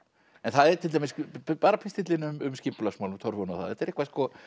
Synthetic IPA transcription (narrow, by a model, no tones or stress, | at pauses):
ɛnθaðɛɾt̪ʰɪlamɪspaːɾapʰɪst̪ɪt̪lɪnʏmʏmscɪmpʏlasmawlʏmt̪ʰɔɾvɔnɔθaðɛt̪ːɛɾehkvaskɔ